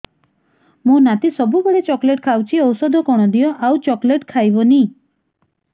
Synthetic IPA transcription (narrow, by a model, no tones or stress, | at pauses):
mũnat̪isɔbubeɽet͡ʃɔkleʈkʰawt͡ʃʰiɔwsɔd̪ʱɔkɔɽ̃ɔd̪ijɔʔawt͡ʃɔkleʈkʰajbɔni